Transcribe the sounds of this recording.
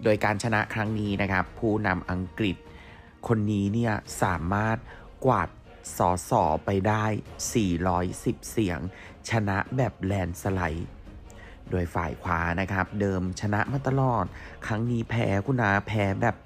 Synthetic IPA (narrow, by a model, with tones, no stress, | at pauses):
doː˧jkaː˧nt͡ɕʰa˧na˦˥ʔkʰɾa˦˥ŋniː˦˥na˦˥kʰa˦˥pʰːuː˥˩na˧mʔa˧ŋkɾi˨˩t̪̚ | kʰo˧nːiː˦˥ni˥˩ɐsaː˩˦maː˥˩t̪̚ | kwaː˨˩t̪̚ | sɔː˩˦sɔː˩˦pa˧jdaː˥˩jsiː˨˩ɾɔː˦˥jsi˨˩p̚si˩˦əŋ | t͡ɕʰa˧na˦˥ʔbɛː˨˩p̚lɛː˧nsa˧la̰˨˩˦j | doː˧jfa̰ː˨˩jkʰwa̰ː˨˦˥na˦˥kʰɾa˦˥p̚dɤː˧mt͡ɕʰa˧na˦˥ʔmaː˧˩t̪a˧lɔː˨˩t̪̚ | kʰɾa˦˥ŋniː˦˥pʰɛ̰ː˦˥kʰu˧˨naː˧˦˥pʰɛː˦˥bɛː˨˩p̚